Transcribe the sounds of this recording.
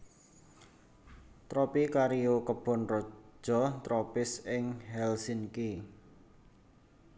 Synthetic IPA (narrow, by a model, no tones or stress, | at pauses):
t̪ɾɔpikaɾiokəb̥ɔ̤nrɔ̥d͡ʒʒ̥ɔ̤t̪ɾɔpɪsɪŋhɛlsinki